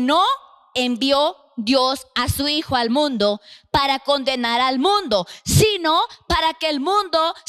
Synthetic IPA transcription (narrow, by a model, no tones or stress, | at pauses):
no | embjo | ðjo̞sasuixoalmũnd̪o̞paɾako̞nd̪e̞naɾalmũnd̪o̞sino̞paɾakeːlmũnd̪o̞